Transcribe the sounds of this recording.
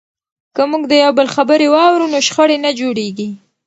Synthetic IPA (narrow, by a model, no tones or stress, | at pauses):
kəmuɡd̪əjawbəlxabəɾewɑwɾunoʃxəɽenad͡ʒoɽeɡi